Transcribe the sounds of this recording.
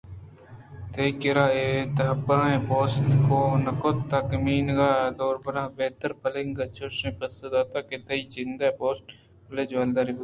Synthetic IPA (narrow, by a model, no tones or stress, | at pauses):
t̪eikɪɾaːet̪ɐɦəbaːẽpoːsʈkoːnɐkot̪t̪ːɐkmiːnɡaːd̪oːɾbɐɾaːbeːt̪əɾpəlɪŋɡɐt͡ʃoʃẽːpɐsəd̪aːt̪aːket̪ɐit͡ʃɪnd̪apoːsʈ | pəleːd͡ʒʋaːld̪aːɾiːb